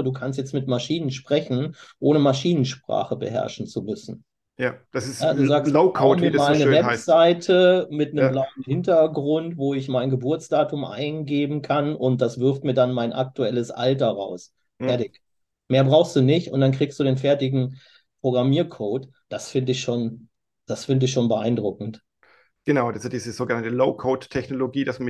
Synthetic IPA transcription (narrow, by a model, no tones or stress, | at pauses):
əduːkʰanstjɛt͡stmɪtmaʃiːnənʃpʁ̥ɛçn̩ʔoːnəmaʃiːnənʃpʁ̥a̰ːχəbə̰ɦɛ̰ɐʃn̩t͡sumʏsn̩ | jd̥ssjaduːzaːkskʰːmiːɐmalnəvɛz̥aɪtʰəmɪtnəmlaʊənhɪntɐɡʁʊntv̥oːɪçmaɪnɡəbʊɐt͡sd̥aːtʊmʔa̰ɪnɡeːbm̩kʰanʊnt̚d̥asv̥ɪɐftmiːɐdanmaɪnʔa̰k̚tuɛləsʔa̰ltɐʁa̰ʊs | fɛɐtɪç | meːɐbʁaʊxstd̥uːnɪçtʊ̰ntd̥ankʁ̥iːkstd̥uːɾeːnfɛɐtɪɡŋ̩ | pʁ̥oɡʁamiːɐkʰoːt | d̥asfɪndəɪçʃoːn | d̥asfɪndəɪçʃoːnbəʔa̰ɪndʁʊkŋ̩t | ɡ̥ənaʊdasdiːzəzoːɡənantəloʊkʰoːttʰːɛçnoloɡiːdas